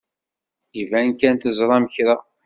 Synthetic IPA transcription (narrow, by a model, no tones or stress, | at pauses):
ivænkænt̪əzˤɾˤɑməçɾa